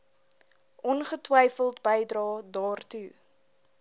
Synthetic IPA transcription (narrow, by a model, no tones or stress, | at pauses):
ʔɔnχətwɛjfəlˠtbəjdrɑːdɑːrtu